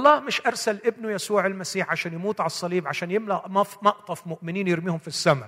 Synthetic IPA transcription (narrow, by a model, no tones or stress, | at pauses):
lˤːɑːhmɪʃʔɑɾˤsalʔɪbnʊjasuːʕalmasiːħʕaʃæːnjamuːt̪ˤʕasˤːɑliːbʕaʃæːnjɪmlaʔmɑfmɑʔt̪ˤɑfmʊʔmɪniːnjɪɾmiːhʊmfisːama